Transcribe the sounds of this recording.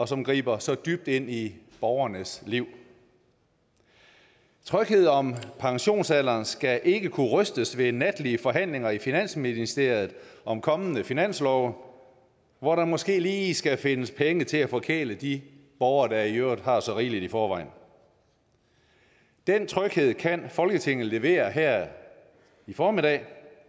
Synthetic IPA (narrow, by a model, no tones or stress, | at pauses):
ɒ̽sɒ̽mɡ̥ʁḭːb̥ɐsɒ̽d̥yb̥̚d̥e̝n̰ib̥ɒʊɐnəsliʊ̰ | t͡sʰʁœɡ̥he̝ð̞̰ˠɒ̽mpʰɑ̈ŋɕo̝̰ːnsæl̰ɐːnsɡ̥æʔe̝ɡ̥əkʰuʁœsd̥əsʋe̝næd̥liəfɒ̽ɦæn̰le̝ŋɐifinæn̰sminisd̥e̝ɐ̰jð̩ˠɒ̽mkʰɒ̽mənəfinæn̰slɒʊ | ʋɒɾɑ̈mɒ̽sɡ̥e̝̰ːliːisɡ̥æfe̝nəspʰeŋət͡sʰe̝læfɒkʰḛːləd̥ib̥ɒʊɐd̥ɑɐijøɐ̰d̥hɑ̈sɒ̽ʁiːlid̥ifɒːʋɑ̈ɪ̰n | d̥ent͡sʰʁœɡ̥he̝ð̞̰ˠkʰænfɒ̽lɡ̥ət͡sʰe̝ŋ̰ð̩ˠle̝ʋe̝̰ːɐɦæɐ̰ | ifɒːmid̥ɛ̰ː